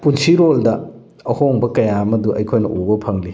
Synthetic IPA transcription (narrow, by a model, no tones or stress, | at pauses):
punsiɾoldɐː | hoŋbɐkɐjamɐduʔɐ̰jkʰojnɐ̰ʔubɐpʰɐŋli